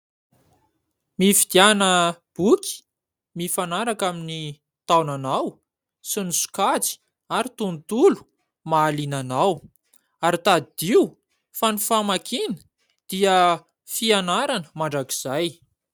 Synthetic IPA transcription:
mifid̪janə | b̥ukʲi̥ | mifanaɾakamini | t̪awnanaw | sinisu̥kat͡si̥ | aɾit̪unt̪ulu̥ | maːlinanaw | aɾit̪ad̪id̪iw | fanifamakʰinə̥ | d̪̥iə | fianaɾanə̥maɳɖ͡ʐaki̥z̥aj

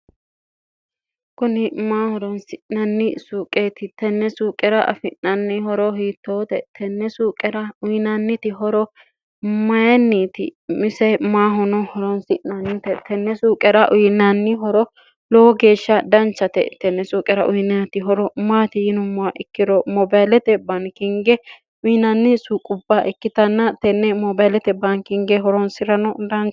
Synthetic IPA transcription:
kʊnɪmaːhɔɾɔnsɪnɐnːɪsuːkʼeːt̪ɪt̪ɛnːɛsuːkʼɛɾɐʔɐ̰fɪnnɐnːɪhɔɾɔhiːt̪ːoːt̪ɛt̪ʰɛnːɛsuːkʼɛɾɐʊjnɐnːɪt̪ɪɦɔɾɔ | mɐjɛnːiːt̪ɪ̰mɪsɛmaːɦɔnɔhɔɾɔnsɪʔɐnːɪt̪ɛt̪ʰɛnːɛsuːkʼɛɾɐʔʊjnːɐnːɪɦɔɾɔ | lɔɡe̞ːʃːɐd̪ɐnt͡ʃːɐt̪ɛ̰t̪ɛnːɛsuːkʼɛɾɐʔʊjnɛɐt̪ɪɦɔɾɔmaːt̪ɪjɪnʊmːʊwaʔɛkːɪɾɔmɔbajlɛt̪ɛbɐnkɪŋɡɛ | ʊjɪnɐnːɪsukʼʊbːaʔɛkːɪt̪ɐnːɐt̪ɛnːɛmɔbajlɛt̪ɛbɐnkɪŋɡɛɦɔɾɔnsɪɾɐnɔd̪ɐŋ

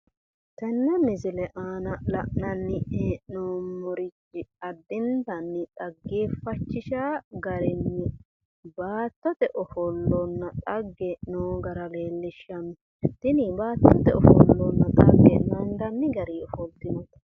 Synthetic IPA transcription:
t̪ɛnːɐmɪzɪlɛʔaːnɐlɐʔnɐnːɪeːnoːmɔɾɪt͡ʃːɪɐd̪ːɪnd̪ɐnːɪt̪ʼɐɡːeːfɐt͡ʃːɪʃaːɡɐɾɪnːɪ | baːt̪ːɔt̪ɛʔɔfɔlːɔnːɐt̪ʼɐɡːɛnoːɡɐɾɐle̞ːlːɪʃːɐm | t̪ɪnibaːt̪ːɔt̪ːɛɔfɔ̰lːɔnːɐt̪ʼɐ̰ɡːɛ̰nɐnd̪ɐnːɪɡɐɾiːɔfɔlt̪ɪnɔ

